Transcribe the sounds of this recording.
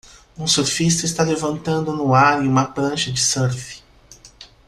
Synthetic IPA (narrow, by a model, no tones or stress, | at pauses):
ũsoɾfist̪ɐɪst̪alevɐ̃nt̪ɐ̃nd̪ʊnʊaɾẽjũmɐplɐ̃ʃɐd͡ʒɪsɛɾfi̥